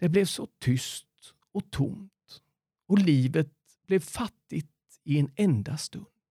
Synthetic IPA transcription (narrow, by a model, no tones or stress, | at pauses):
d̪̥ɛblɛvsɔt̪ʰʏst̪ | ɔt̪ʰʊ̰mt̪ | ɔliːvət̪̚ | b̥lɛvfat̪ːɪt̪ | ɪɛnɛnd̪ast̪ɵ̰nd̪